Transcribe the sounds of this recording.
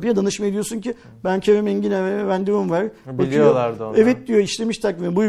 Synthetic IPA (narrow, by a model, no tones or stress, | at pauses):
bijad̪anɯʃmaed̪ijo̞sunci | bæncʰevemɛɲɟinevɛvænd̪imɯmvaɾbakʰɯjoaɾd̪evɛt̪̚d̪ijo̞iʃlʲe̞miʃt̪ʰakːinɛbuj